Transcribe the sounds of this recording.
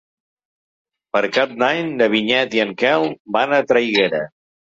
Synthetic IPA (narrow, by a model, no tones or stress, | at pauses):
pəɾkap̚naɲd̪əβ̞iɲɛt̪iəŋkɛlˠbanət̪ɾəjɣeɾə